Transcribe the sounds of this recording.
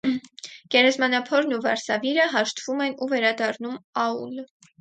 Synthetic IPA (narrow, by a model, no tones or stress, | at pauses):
ɡ̥ɛɾɛzmɑnɑpʰɔɾnuvɑ̰ɾsɑviɾəɦɑʃt̪v̥umɛnuvɛɾɑd̪ɑrnumɑul